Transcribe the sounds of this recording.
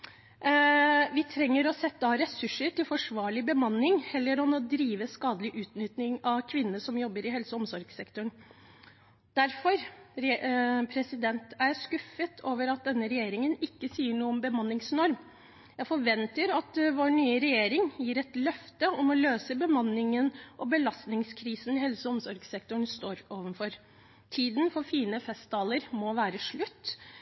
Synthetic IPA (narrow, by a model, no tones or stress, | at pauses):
ʋɪt̪ʰɾɛŋːəɾɔsɛt̪ːɑɾɛsʉʂːəɾʈɪlfɔʂʋɑːɭɪbəmɑnːɪŋhɛlːəɾɔmɔd̪ɾiːʋəskɑːd̪əlɪʔʉːt̪nʏt̪nɪŋɑʋkʰʋɪnːənəsɔmjɔbːəɾɪɦɛlsəɔmsɔɾɡsɛkt̪ɔɳ | d̪̥æɾfɔɾ | pʰɾɛsɪd̪ɛnt̪æɾskʉfət̪ʰoːʋəɾɑt̪̚d̪ɛnːəɾɛjeːɾɪŋənɪkːəsiːəɳuːəɔmbəmɑnːɪŋsnɔɾm | jæfɔɾʋɛnt̪əɾɑt̪ʋoːɳyːəɾɛjeːɾɪŋjiːɾɛt̪lœft̪əɔmɔløːsəbəmɑnːɪŋənʔɔbəlɑst̪nɪŋskʰɾiːsn̩ɪhɛlsəɔmsɔɾɡsɛkt̪ʊɳst̪oːɾoːʋənfɔɾ | t̪ʰiːd̪n̩fɔɾfiːnəfɛst̪̚d̪ɑːləɾmɔʋæːɾəʂɭʉt̪ː